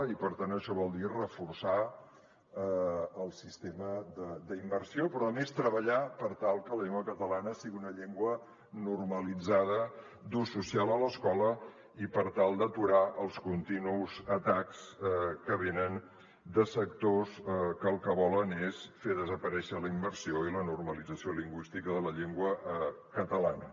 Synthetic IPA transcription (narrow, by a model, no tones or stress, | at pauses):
ipəɾt̪ant̪əʃɔβɔlˠd̪irəfursa | lˠsist̪eməd̪əd̪əimbəɾsiopɾɔəmest̪ɾəβəʎapəɾt̪alˠkələʎeŋɡwəkət̪əlanəsiɣiunəʎeŋɡwə | nurməlid͡zaðə | d̪ususialˠələskɔlə | ipəɾt̪alˠd̪ət̪uɾaʔəlˠskunt̪inuzət̪akskəβenən | d̪əsək̚t̪oskəːlˠkəβɔlənesfeðəzəpəɾɛʃələimbəɾsioilənurməlid͡zəsioliŋɡwist̪ikəðələʎeŋɡwə | kət̪əla̰nə